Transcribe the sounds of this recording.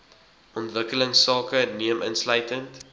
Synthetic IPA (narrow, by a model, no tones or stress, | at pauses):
ʔɔntvəkələŋsːɑːkəniəmʔənsləɥtənt